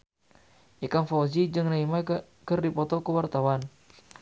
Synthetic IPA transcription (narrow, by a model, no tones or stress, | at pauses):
ʔikamfazid͡ʒɨŋnaima | kərdipɔt̪ɔkəwart̪awan